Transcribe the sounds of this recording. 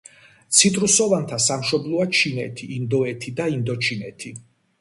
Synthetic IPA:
t̪sʰit̪ʼɾusɔvant̪ʰasamʃɔblˠɔat͡ʃʰinɛt̪ʰiːnd̪ɔɛt̪ʰid̪aind̪ɔt͡ʃʰinɛ̰t̪ʰi

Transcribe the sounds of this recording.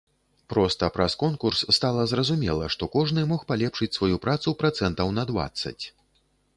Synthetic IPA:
pɾɔst̪ɐpɾɐskɔnkursːt̪alˠɐzrɐzumʲɛ̰lˠɐʂt̪ɔkɔʐnɨmɔxpalʲɛpʂɨt͡sʲsvajupɾat̪supɾat̪sɛnt̪ɐwnɐd̪va̰t̪sːɐ̰t͡sʲ

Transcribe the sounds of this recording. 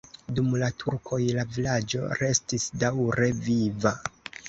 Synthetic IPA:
dumlatʰuɾkʰo̞jlavilad͡ʒo̞̰ɾe̞stisdawɾe̞viva

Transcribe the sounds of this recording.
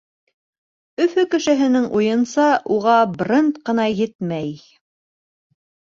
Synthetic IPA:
ɵ̆fɵkɘ̆ʃɘ̆ɦɘ̆nɘŋʔujɤ̆nsɑʔuʁɑbrʲɤnt̪qɤ̆nɑjɘt̪mæj

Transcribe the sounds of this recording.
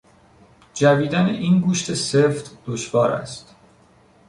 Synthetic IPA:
d͡ʒæviːd̪æneʔiːnɡuːʃt̪ʰeseft̪d̪̥oʃvɒːɾæ̰st̪

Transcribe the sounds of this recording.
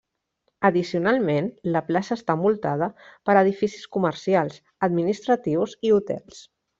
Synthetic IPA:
əðisiunalˠmenləplasəːst̪amulˠt̪að̞əpəɾəðifisi̥skuməɾsialˠs | əd̪minist̪ɾət̪iwziut̪ɛ̰lˠs

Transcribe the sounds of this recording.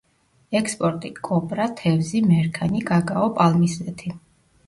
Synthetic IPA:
ɛkspʼɔɾt̪ʼikʼɔpʼɾat̪ʰɛvzimɛɾkʰaniɡaɡaɔpʼalˠmiszɛt̪ʰi

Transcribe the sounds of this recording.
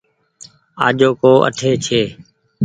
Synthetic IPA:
aːʄoːkoːʔə̰ʈʰeːt͡ʃʰeː

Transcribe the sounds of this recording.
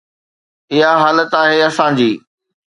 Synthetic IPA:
ɪɦaɦaːlət̪aːɦeːɐsãd͡ʑiː

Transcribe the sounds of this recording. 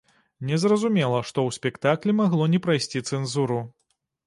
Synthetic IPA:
nʲɛzrɐzumʲɛlˠɐʂt̪ɔwsʲpʲɛkt̪aklʲimaɣlˠɔnʲɛpɾajsʲt͡sʲit̪sɛnzuɾu

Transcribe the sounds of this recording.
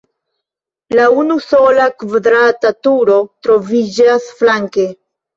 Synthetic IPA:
launuso̞lakvad̪ɾatatuɾo̞t̪ɾo̞vid͡ʒasflaŋke̞

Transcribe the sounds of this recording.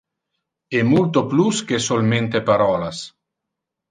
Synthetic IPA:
emːult̪opluskesolment̪epaɾɔːlas

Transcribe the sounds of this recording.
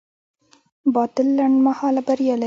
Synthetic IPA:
bɑt̪ɪlːaɳɖmahɑlabaɾjɑla

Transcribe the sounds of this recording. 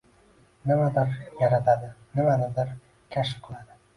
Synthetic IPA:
nɪmad̪ɪɾjaɾat̪ʰad̪ɪnɪmanɪd̪ɪɾ | kʲʰaʃ̬ɪ̥qʰɨlˠad̪ɪ

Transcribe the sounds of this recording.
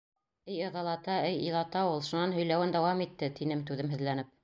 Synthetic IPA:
ɘjɤ̆ʁɑlˠɑt̪ɑɘjḭlˠɑt̪ɑulˠʃunɑnɦɵ̆jlæwɘnd̪æwɑmit̪ːɘt̪inɘmt̪ʉðɘmɦɘ̆ðlænɘp̚

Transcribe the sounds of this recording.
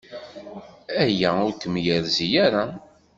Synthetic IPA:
æjæʊɾkəmjəɾzijaɾa

